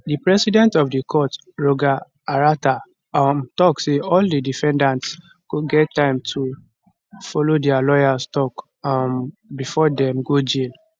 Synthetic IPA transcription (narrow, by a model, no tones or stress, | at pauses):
dipɹɛsidɛ̃ntɔfdikʰɔt | ɹoɡa | aɹata | amtɔkseɔldidifɛ̃ndãnts | kuɡɛtːãɪ̃mtʰu | fɔlodɛalɔjastɔk | ambifɔdɛ̃mɡod͡ʒil